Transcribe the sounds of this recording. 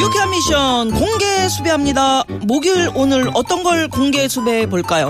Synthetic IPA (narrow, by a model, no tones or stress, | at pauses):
iokʰeamːiɕʰʌnkoŋɡe̞sʰube̞ɦamɲida | moɡiɾonɯɾʌt͈ʌnɡʌɭkoŋɡe̞sʰube̞poɭk͈ajo̰